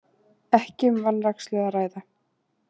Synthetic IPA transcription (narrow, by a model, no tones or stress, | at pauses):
ɛhcɪmvanrakst̪lʏːðaɾaːjða